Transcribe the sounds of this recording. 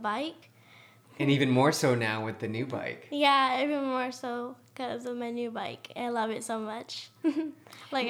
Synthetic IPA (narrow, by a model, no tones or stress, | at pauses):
baɪk | ɨ̃nivɨ̃nmɔɹsoʊnaʊwɨðɨnʉba̰ɪkjæivɨ̃nmɔɹsoʊ | kʌzʌvmaɪnʉbaɪkʰa̰ɪlʌvɨtsoʊmʌt͡ʃ | laɪk